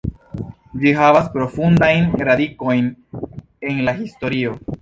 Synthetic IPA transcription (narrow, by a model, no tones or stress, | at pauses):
d͡ʒiɦavaspɾo̞fundajnɾadiko̞jn | e̞nlahisto̞ɾio